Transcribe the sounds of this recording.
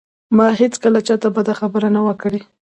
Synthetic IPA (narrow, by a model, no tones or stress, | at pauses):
mɑɦet͡skəlat͡ʃɑt̪abad̪axabəɾanawəkɽe